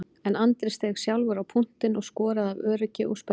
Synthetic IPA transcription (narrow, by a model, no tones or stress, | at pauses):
ɛnant̪ɾɪst̪ɛɣsjawlvʏɾawpʰun̥t̪ɪnɔɣskɔːɾaðavœːɾʏcɪʔɔ̰ɣsp